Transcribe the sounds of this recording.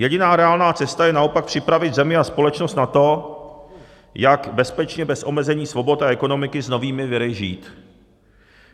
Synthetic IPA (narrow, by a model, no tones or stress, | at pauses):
jɛɟɪnaːɾɛaːlnaːt͡sɛst̪ajɛnao̞pak̚pr̥ɪpɾavɪd̪zɛmɪaspo̞lɛt͡ʃnost̪nat̪o̞ | jakbɛspɛt͡ʃɲɛbɛsʔo̞mɛzɛɲiːsvo̞bo̞t̪aɛko̞no̞mɪkɪzno̞viːmɪvɪɾɪʒiːt̪